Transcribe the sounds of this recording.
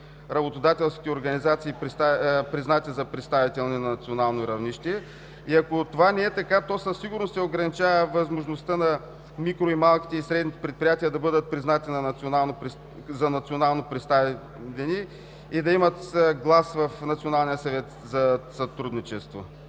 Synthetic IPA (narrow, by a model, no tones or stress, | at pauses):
ɾɐbot̪od̪at̪ɛlˠskʲi̥t̪ɛoɾɡɐnizat̪siːpɾt̪apɾiznat̪izɐpɾɛt̪st̪avit̪ɛlˠninɐnɐt̪sionalˠnoɾɐvniʃt̪ɛ | iɐkot̪ovanɛɛt̪ɐkat̪ɔsəssiɡʊɾnost̪ɛoɡɾɐnit͡ʃavɐvɐzmoʒnost̪ənɐ | mikɾoimalˠkʲi̥t̪ɛisɾɛd̪nit̪ɛ̥pɾɛt̪̚pɾijat̪iəd̪ɐbɤd̪ət̪̚pɾiznat̪inɐnanpɾ | zɐnɐt̪sionalˠnopɾɛt̪st̪av | t̪ɛniː | d̪ɐimət̪ɡlˠasvɐfnɐt̪sionalˠnijəsɐvɛt̪ | zɐsɐt̪ɾud̪nit͡ʃɛst̪vo